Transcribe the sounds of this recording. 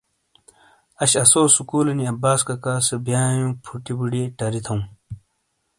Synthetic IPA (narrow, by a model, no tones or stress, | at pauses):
ɐɕɐsoːsukuːlɐniɐbaːskɐkaːsɐbjaːjũpʰuʈibuɖeːʈɐɾit̪ʰɐw̃m